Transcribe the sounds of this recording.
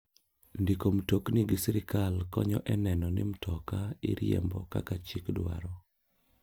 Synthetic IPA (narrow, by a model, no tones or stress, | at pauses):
ndikomtokniɡɪsiɾɪkalkɔɲɔʔɛnɛnɔnɪmtʰɔkaḭɾɪḛmbɔka̰kat͡ʃikdwa̰ɾɔ